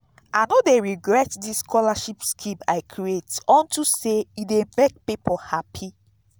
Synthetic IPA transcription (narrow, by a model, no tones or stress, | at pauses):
anodeɹiɡɹɛtdiskʰɔlaʃipskʰĩmaɪkʰɹietɔ̃ntuseidemek̚pipʰɔhapʰi